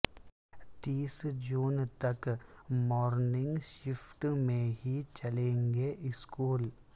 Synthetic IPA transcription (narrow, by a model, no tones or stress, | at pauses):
t̪iːsd͡ʒuːnt̪ɐkmɔːɾnɪ̃ŋɡʃɪfʈmẽɦit͡ʃɐlẽːŋɡeʔɪskuːl